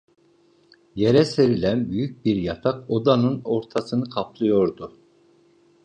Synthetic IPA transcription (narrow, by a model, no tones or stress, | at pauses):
je̞ɾɛse̞ɾilʲænbyjyc̚biɾjat̪ʰako̞d̪anɯno̞ɾt̪ʰasɯnɯkʰapʰlˠɯjo̞ɾd̪ʊ